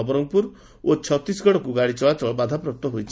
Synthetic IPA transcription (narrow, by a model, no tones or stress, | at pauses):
ɔbɔɾɔŋpuɾ | ot͡ʃʰɔt̪isɡɔɽɔkuɡaɽit͡ʃɔɭat͡ʃɔbad̪ʱapɾɔp̚t̪ɔɦojt͡ʃʰi